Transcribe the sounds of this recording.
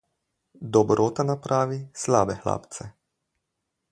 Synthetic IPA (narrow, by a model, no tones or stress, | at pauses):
d̪ɔbɾʔoːt̪anapɾʔaːʋislaːbɛxla̰ːpt̪sɛ